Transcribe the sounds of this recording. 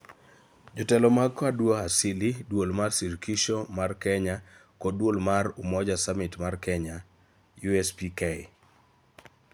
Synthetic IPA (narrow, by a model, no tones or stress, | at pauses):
d͡ʒɔtɛlɔmakadwoasilidwolmarsiɾkiʃomarkɛɲakodwolmaɾumɔd͡ʒasamɪtmarkɛɲa | juɛspikɛ